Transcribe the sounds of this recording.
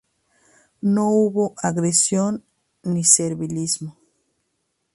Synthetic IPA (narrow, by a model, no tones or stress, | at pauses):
nouβoʔaɣɾesjonː | iseɾβilizmo